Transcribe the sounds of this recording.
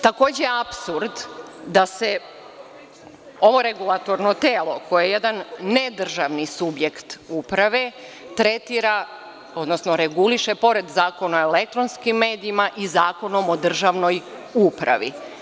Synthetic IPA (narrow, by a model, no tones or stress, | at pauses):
t̪ako̞ːd͡ʑejeapsuɾd̪d̪ase̞ | oʋo̞ɾeɡulˠat̪o̞ɾno̞t̪eːlˠo̞ko̞jeejed̪anːed̪r̩ʒaʋnisubje̞kt̪upɾaʋe̞ | t̪ɾe̞t̪iːɾa | o̞d̪no̞sno̞ɾeɡuliʃe̞po̞ɾe̞d̪zaːko̞noelek̚t̪ɾo̞nskimːe̞ːd̪iimaʔizaːko̞no̞mo̞d̪r̩ʒaʋno̞j | upɾʔa̰ʋḭ